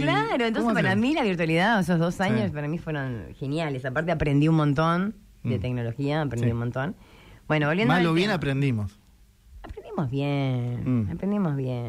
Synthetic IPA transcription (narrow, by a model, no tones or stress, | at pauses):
klaɾoẽnt̪õsespaɾamilaβiɾt̪waliðaes̬ozðo̞saɲospaɾamifweɾo̞nxe̞njalesapaɾt̪eapɾe̞nd̪iunmõnt̪on | d̪et̪eɡno̞lo̞xiaːpɾeniumõnt̪o̞n | b̥we̞noβolβjenalːoβjenapɾend̪imos | apɾend̪imo̞zβjenapɾend̪imo̞zβjen